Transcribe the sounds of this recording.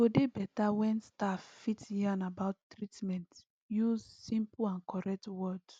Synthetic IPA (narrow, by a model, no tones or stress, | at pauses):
odebɛtawɛ̃nstaffitjiãnabaʊttːɹitmɛ̃nt | juzsĩmpãnkɔɹɛk̚twɔd